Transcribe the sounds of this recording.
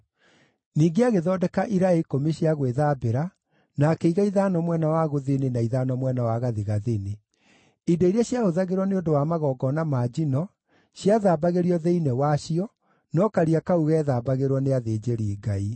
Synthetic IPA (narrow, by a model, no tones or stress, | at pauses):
niːɡeaɣeðɔːdɛkaʔiɾaɛlikomiɕiaɣweðabeɾa | nakɛiɣaiðanɔmwɛnawaɣoðenenaiðanɔmwɛnawaɣaðiɣaðine | idoiɾiaɕjaɣoðaɣeɾwɔneodowaːmaɣɔɡɔnamaːd͡ʑinɔ | ɕjaðaːbaɣeɾiɔðeinɛwaɕiɔ | nɔkaɾiakauɣɛːðaːbaɣeɾwɔneaðeːd͡ʑeɾiːɡai